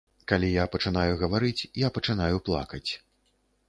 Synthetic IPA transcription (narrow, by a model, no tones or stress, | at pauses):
kalʲijapɐt͡ʂɨnajuɣɐvaɾɨt͡sʲjapɐt͡ʂɨnajuplˠa̰kɐt͡sʲ